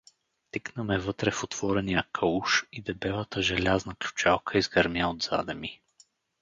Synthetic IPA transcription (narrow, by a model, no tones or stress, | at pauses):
t̪iknəmɛvɤt̪ɾɛfot̪v̥ɔɾɛnijəkʰəuʃid̪ɛbɛvət̪əʒɛlʲaznəklʲu̥t͡ʃalˠkʰəizɡɐɾmjaod̪z̥a̰d̪ɛmi